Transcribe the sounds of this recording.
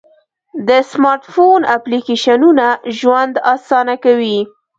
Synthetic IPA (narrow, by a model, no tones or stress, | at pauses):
d̪əsmɑɾʈfonaplikeʃanunaʒwand̪ɑsɑnakawi